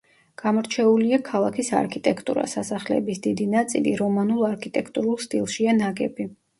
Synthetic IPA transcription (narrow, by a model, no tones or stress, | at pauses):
ɡ̥amɔɾt͡ʃʰɛuliakʰalˠakʰisa̰ɾkʰit̪ʼɛkʰt̪ʼṵɾa̰sasaχlɛ̰bisd̪id̪inat̪sʼḭlḭɾɔmanulˠaɾkʰit̪ʼɛkʰt̪ʼuɾulˠst̪ʼilˠʃianaɡɛbi